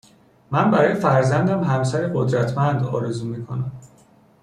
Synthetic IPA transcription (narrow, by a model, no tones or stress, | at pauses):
mænbæɾɒːjefæɾzænd̪æmɦæmsæɾeɢod̪ɾæt̪ʰmænd̪ɒ̰ːɾezuːmiːkʰonæm